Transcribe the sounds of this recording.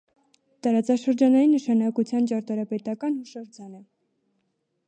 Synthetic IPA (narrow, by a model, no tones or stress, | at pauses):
t̪ɑɾɑt͡sɑʃəɾd͡ʒɑnɑjinəʃɑnɑkut͡sʰjɑnt͡ʃɑɾt̪ɑɾɑpɛt̪ɑkɑnhuʃɑɾd͡zʰɑnə